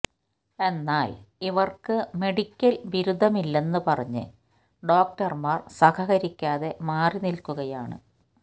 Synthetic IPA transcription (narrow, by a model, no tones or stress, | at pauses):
e̞nːaːliʋɐrkɨme̞ɽikʲːɐlʋiɾud̪ʱːɐmilːe̞nːɨpɐrɐɲːɨ̰ | ɖo̞ːk̚ʈɐrmaːrsɐkʰɐɣɐɾikʲːaːðe̞maːrinilkːuɣɐjaːɳɨ̰